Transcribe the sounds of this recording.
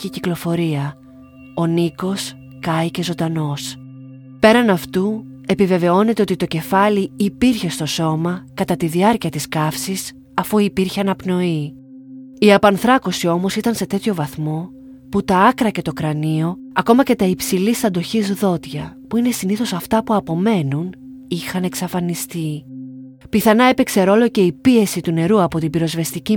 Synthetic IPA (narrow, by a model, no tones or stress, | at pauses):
iciklo̞fo̞ɾiɐ | o̞niko̞s | kɐjce̞zo̞nd̪ɐno̞s | pe̞ɾɐnɐft̪u | e̞pive̞ve̞o̞ne̞t̪eo̞t̪it̪o̞ce̞fɐliːpiɾçe̞st̪o̞so̞mɐkɐt̪ɐt̪iðiɐɾciɐt̪iskɐfsis | ɐfuipiɾçeɐnɐpno̞i | iɐpɐnθɾɐko̞sio̞mo̞sit̪ɐnse̞t̪e̞t̪ço̞vɐθmo̞ | put̪ɐɐkɾɐce̞t̪o̞kɾɐnio̞ | ɐko̞mɐce̞t̪ɐipsilist̪ɐnd̪o̞çizðo̞t̪ʝɐpuine̞siniθo̞sɐft̪ɐpuɐpo̞me̞nun | ixɐne̞ksɐfɐnist̪i | piθɐnɐe̞pekse̞ɾo̞lo̞ce̞ipie̞sit̪une̞ɾuɐpo̞t̪ibiɾo̞zve̞st̪ici